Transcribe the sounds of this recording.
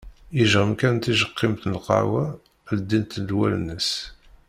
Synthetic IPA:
iʒʁəmkænt̪iʒəqːɪmt̪nlqɑ̰wæ | ld̪ːint̪d̪wæl̰nːəs

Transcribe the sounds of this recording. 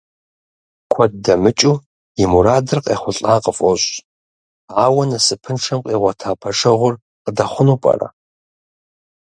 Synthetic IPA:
kʷʰɐd̚dɐmɨt͡ʃʼu | imuɾaːdɨrqʼḛːχʷʊɬʼaːqʼəfʼoɕʼ | aːwɐnɐsɨpʰɨnʂʰɐmqʼiːʁʷɐtʰaːpʰɐʂɐʁʷʊr | qədɐχʷʊnupʼɐ̰rɐ̰

